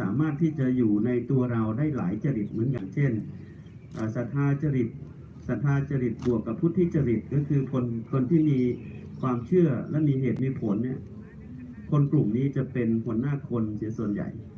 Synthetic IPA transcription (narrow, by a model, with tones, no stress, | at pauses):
sa̰ː˩˦maː˥˩t̪ʰːiː˥˩t͡ɕa˨˩juː˨˩na˧jt̪u˧ɐɾa˧wdaː˥˩jla̰ː˩˦jt͡ɕa˧ɾi˨˩t̪̚mɯ˩˦ənka˧˩nt͡ɕʰe˥˩n | ʔaː˨˩sa˨˩t̪ʰːaː˧t͡ɕa˧ɾi˨˩t̪̚ | sa˨˩t̪ʰːaː˧t͡ɕa˧ɾi˨˩t̪̚bu˨˩əkːa˨˩pʰːuː˦˥˩t̪ʰːiː˥˩t͡ɕa˧ɾi˨˩t̪̚kɔ˧˩kʰɯː˧kʰo˧nkʰo˧nt̪ʰiː˥˩miː˧kʰwaː˧mt͡ɕʰɯ˥˩ɐlɛ˦˥miː˧ɦeː˨˩t̪̚miː˧pʰo˩˦nːi˥˩ɐ | kʰo˧nklu˨˩mniː˦˥t͡ɕa˨˩pe˧nhu˨˩˦ənaː˥˩kʰo˧nsi˩˦əsu˨˩ənja̰˨˩j